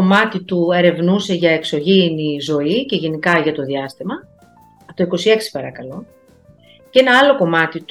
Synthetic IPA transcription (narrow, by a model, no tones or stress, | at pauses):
omɐt̪it̪ue̞ɾe̞vnuse̞ʝɐe̞kso̞ʝinizo̞ice̞ʝe̞nikɐʝɐt̪o̞ðiɐst̪imɐ | t̪o̞iko̞sie̞ksi̥pɐɾɐkɐlo̞ | ce̞nɐɐlo̞ko̞mɐt̪it̪